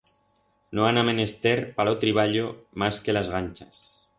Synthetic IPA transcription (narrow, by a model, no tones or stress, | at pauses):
noanamenest̪eɾpalot̪ɾiβ̞aʎomaskelazɣanʲt͡ʃas